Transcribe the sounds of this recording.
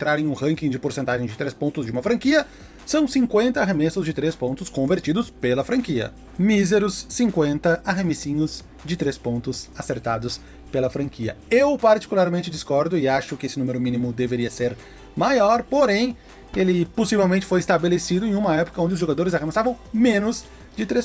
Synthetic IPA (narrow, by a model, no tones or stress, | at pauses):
ẽt̪ɾaɾẽj̃ũhɐ̃ŋkĩd͡ʒɪpoɾsẽnt̪aʒẽj̃d͡ʒɪt̪ɾespõnt̪ʊzd͡ʒɪũmɐfɾɐ̃ŋkiɐ | sɐ̃w̃sĩŋkwẽnt̪ɐːɦemesʊzd͡ʒɪt̪ɾespõnt̪ʊskõveɾt͡ʃid̪ʊspelɐfɾɐ̃kiɐ̰ | mizeɾʊsːĩŋkwẽnt̪ɐaɦemesĩɲʊz | d͡ʒɪt̪ɾespõnt̪ʊsaseɾt̪ad̪ʊs | pelɐfɾɐ̃ŋkiɐ̰ewpaɾt͡ʃi̥kulaɾmẽnt͡ʃɪd͡ʒiskɔɾd̪ʊɪaʃʊkɪesɪnũmeɾʊmĩnimʊd̪eveɾiɐseɾ | majɔɾpoɾẽj̃ | elɪposivewmẽnt͡ʃɪfojɪst̪abelesid̪ʊẽj̃ũmɐɛpʊ̥kɐõnd͡ʒɪʊzʒoɡad̪oɾɪzahemesavɐ̃w̃mẽnʊz | d͡ʒɪt̪ɾes